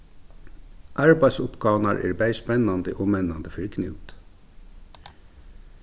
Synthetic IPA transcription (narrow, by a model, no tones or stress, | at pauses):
ʔɑɹbæɪsʊpɡɑːʋnɑɾʔḛːɾbæɪspɛnɑnd̪əʔoːmɛnːɑnd̪əfœɾkʰnʉ̰ːt̪